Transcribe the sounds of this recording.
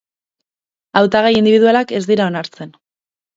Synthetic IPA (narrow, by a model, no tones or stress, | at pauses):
awt̪aɣajind̪iβiðualake̞zd̪iɾao̞naɾt͡se̞n